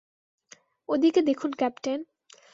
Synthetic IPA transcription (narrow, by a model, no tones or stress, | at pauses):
od̪iked̪ekʰunkɛpʈen